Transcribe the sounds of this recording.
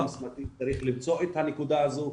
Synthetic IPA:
msmat̪it͡saɾiχlimt͡so̞et̪hanekud̪aazu

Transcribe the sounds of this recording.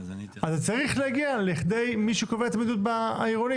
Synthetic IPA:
azt͡saʁiχlehaɡialiχd̪e̞jmiʃukoveat̪amid̪ut̪̚baiʁoni

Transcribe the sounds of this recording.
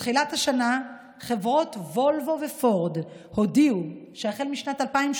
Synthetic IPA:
χilathaʃana | χe̞vʁo̞tvo̞lvo̞ve̞fo̞ʁd | ho̞diuʃeaχelmiʃnatalpaim

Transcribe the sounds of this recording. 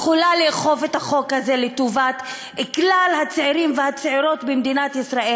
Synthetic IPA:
χulaleχo̞vethaχo̞khaze̞letuvat̪ | eklalhat͡seiʁimvehat͡seʕiʁo̞tbemd̪inatisʁaʔe

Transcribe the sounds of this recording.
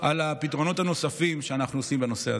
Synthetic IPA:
ʔalapit̪ʁo̞no̞t̪ano̞safimʃeanaχnuosimbeno̞sea

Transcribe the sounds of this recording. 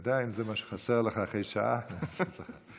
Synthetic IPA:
d̪aimzɛmaʃə̥χasɛʁləχaːχejʃa̰ʔaast̪ləχa

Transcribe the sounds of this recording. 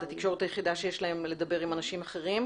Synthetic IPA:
tat̪ikʃo̞ʁet̪ajeχid̪aʃejeʃlaemle̞d̪ɐbe̞ʁimanaʃimaχe̞ʁim

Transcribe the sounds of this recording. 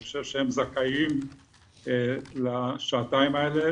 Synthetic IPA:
oʃevʃehemzakaim | laʃaːt̪aimaele

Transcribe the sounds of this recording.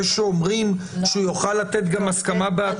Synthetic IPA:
ʃeomʁim | ʃeujoχalːat̪et̪ɡamaskamabea

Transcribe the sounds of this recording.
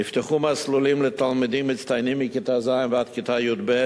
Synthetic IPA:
nɪftəχumaslulimlɪtalˠmɪdimːɪt͡stajnimikɪtazaɪnvɪatkɪtajudbɛ

